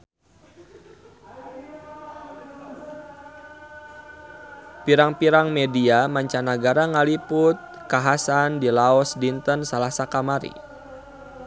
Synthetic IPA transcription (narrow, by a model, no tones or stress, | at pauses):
piɾaŋpiɾaŋmediamaɲt͡ʃanaɡaɾaŋalipʊt̪̚ | kaɦasandilaɔsdint̪ənsalasakamaɾḭ